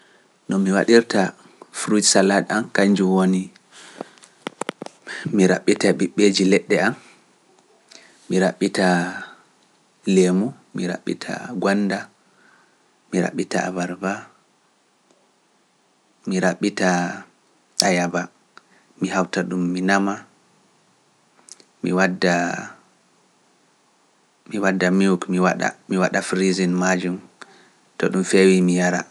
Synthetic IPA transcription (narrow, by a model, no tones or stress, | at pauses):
nɔmiwa̰ɗiɾta | fɾutsalaɗamkaɲd͡ʒuwoni | miɾa̰ɓːitaɓiɓːed͡ʒilɛɗːɛam | iɾaɓːita | lemu | miɾa̰ɓːḭtʰa̰ɡanːda | miɾa̰ɓːita̰a̰vaɾba | miɾaɓːita | ajaba | mihawtaɗumːinama | miwadːa | miwadːamiukmiwaɗa̰miwaɗafɾizinmad͡ʒum | tɔ̰ɗumfewimijaɾa̰